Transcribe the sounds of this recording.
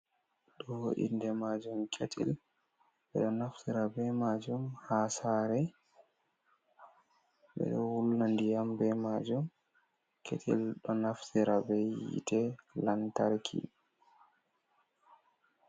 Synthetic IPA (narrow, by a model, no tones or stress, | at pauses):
ɗɔhoʔḭndɛmad͡ʒumkʰetʰḭl | ɓɛɗɔnaftiɾabɛmad͡ʒumhasaɾɛ | ɓɛ̰ɗɔwulnandijambɛmad͡ʒum | kʰḛtʰḭlɗɔnaftiɾabɛjḭtʰɛlantaɾkʰḭ